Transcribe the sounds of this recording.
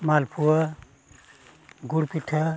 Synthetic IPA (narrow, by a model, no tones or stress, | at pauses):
malpʰuɐ | ɡuɽpiʈʰɐ